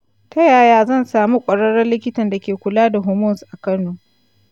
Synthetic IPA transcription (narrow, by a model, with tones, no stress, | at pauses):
tʰɐ˦jaː˨jaː˦zɐ˦˨nsaː˨mu˦kʷʼɐ˨ɽɐ˦ɽɐ˦rlɪ˦kʲɪ˦tɐ˨nda˨kʲeː˨kʷʊ˨laː˦da˨ɦʊ˦˨mʊ˦˨nsʔa˨kɐ˦noː˨